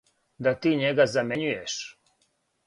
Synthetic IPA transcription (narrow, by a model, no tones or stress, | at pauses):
d̪at̪iːɲeɡazameɲujeʃ